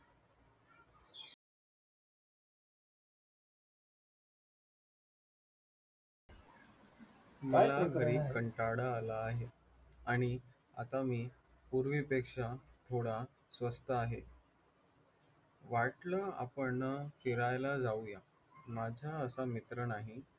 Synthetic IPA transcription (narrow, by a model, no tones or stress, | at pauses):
məlaɡʱəɾiːbkəɳʈaɽaːlaːɦe | aɽ̃i | a̰t̪amiː | puɾʋipekʂat̪ʰoɽa | sʋəst̪əaɦe | ʋaʈlaa̰pəɳnːəfiɾajlad͡zauja | mad͡ʑʱaəsamit̪ɾənaɦi